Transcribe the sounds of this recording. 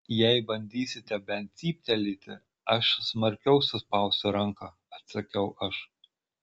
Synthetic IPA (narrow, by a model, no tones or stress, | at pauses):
jɛɪbɐnʲd̪ʲiːsʲɪt̪ʲɛbʲɛnt̪sʲiːpʲt̪ʲɛlʲiːt̪ʲɪ | ɐʃsmɐɾʲkʲɛʊsʊspɐʊsʲt̪ʲʊɾɐŋkɑː | ɐt̪sɐkʲɛʊʔɐʃ